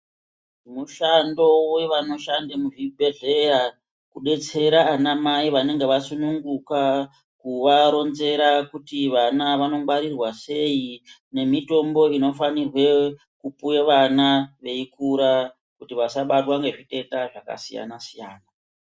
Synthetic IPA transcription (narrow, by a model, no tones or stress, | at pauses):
muʃando̞we̞ʋano̞ʃandemuʐibʱe̞ɮe̞ja | kuɗe̞t͡se̞ɾaːnamaiʋane̞ŋɡe̞ʋasunuŋɡuka | kuʋaɾo̞nze̞ɾakutiʋanaʋano̞maɾirwase̞i | ne̞mito̞mbo̞ino̞fanirwe̞ | kupueʋanaʋe̞ikuɾa | kutiʋasaɓatwaŋɡe̞ʐite̞taʐaka̰sija̰nasijaːna